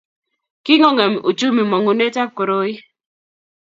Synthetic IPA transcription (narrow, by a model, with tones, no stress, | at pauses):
ki˦ŋɔ˦ŋe˨m˨ṵ˨t͡ʃu˦mi˨mɔ˨ŋo˨ne˦ta˦ko˨ɾo˦ji˦